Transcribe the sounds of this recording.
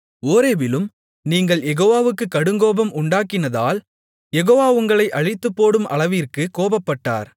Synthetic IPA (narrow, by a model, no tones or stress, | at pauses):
oːɾeːbɪlɯm | niːŋɡɐɭjɛɣoːʋaːʋɯkːɯkːɐɽɯŋɡoːbɐmʔʊɳɖaːkɪnɐða̰ːl | jɛɣoːʋaːʊŋɡɐɭɐɪʔɐɻɪt̪ːɯpːoːɽɯmɐ̰ɭɐʋiːrkɯkoːbɐpːɐʈːa̰ːɾ